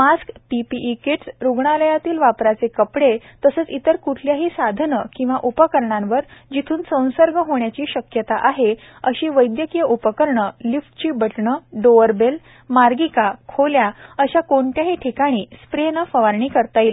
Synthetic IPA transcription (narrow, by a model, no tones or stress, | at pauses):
maskpipiʔːkeʈsɾuɡɳ̃aləjat̪iːlʋapɾat͡sekəpɽet̪əsət͡sit̪əɾkuʈʰljaɦiːsad̪ʱnəkĩw̃ʋaʔupəkəɾɳãnʋəɾd͡ʑit̪ʰuːnsə̃w̃səɾɡʱəɦoɳjat͡ɕiːɕəkjət̪aʔaɦe | əɕiːʋəjd̪jəkijəʔupəkəɾɳəlifʈt͡ɕiːbəʈɳəɖoʋəɾbel | maɾɡikakʰoljaəɕakoɳʈjaɦiʈʰikaɽ̃iːspɾenəfəʋaɾɳiːkəɾt̪aiːl